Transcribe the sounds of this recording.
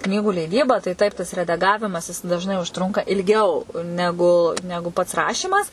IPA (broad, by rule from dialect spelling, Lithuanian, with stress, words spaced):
ˈknʲiːɡuː lʲɛɪˈdʲiːbɐ tɐɪ ˈtɐɪp tɐs rʲɛdɐˈɡɑːʋʲɪmɐs ˈjɪs dɐʒˈnɐɪ ʊʃˈtrʊŋkɐ ɪlʲˈɡʲɛʊ ˈnʲæːɡʊ ˈnʲæːɡʊ pɐts ˈrɑːʃʲiːmɐs